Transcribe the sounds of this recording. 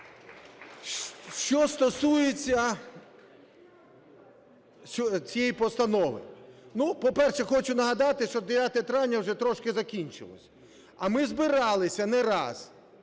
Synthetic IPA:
ʃt͡ʃɔst̪ɔsujet͡sʲːɐ | ɔt͡sʲijɛjipɔst̪ɐnɔʋɪ̰nupɔpɛrʃɛxɔt͡ʃʊnɐɦɐd̪ɑt̪ɪʃt͡ʃɔd̪eʋʲjat̪ɛt̪ɾɑnʲːɐwʒɛt̪ɾɔʃkɪzɐkʲinʲt͡ʃɪ̰lˠɔ̰sʲɐ | ɐmɪzbɪɾɑlˠɪsʲɐnɛɾɑ̰z̥

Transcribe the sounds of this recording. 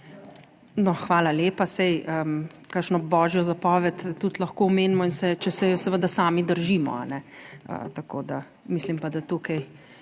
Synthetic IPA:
nɔxʋaːlaleːpasɛjəm | kakʃnɔbɔːʒjɔzapɔːʋɛt̪ːut̪lɐxkoɔmeːnmɔinsɛt͡ʃɛsɛjɔsɛʋəd̪asaːmid̪əɾʒiːmɔ̰a̰nɛə̰t̪akoːd̪a̰ | mislimpad̪at̪ukaj

